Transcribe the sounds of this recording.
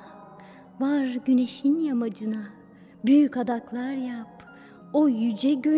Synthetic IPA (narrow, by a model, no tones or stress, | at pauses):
vaɾɟyne̞ʃinjamad͡ʒɯna | byjycad̪aklˠaɾjap | ojyd͡ʒɛɟø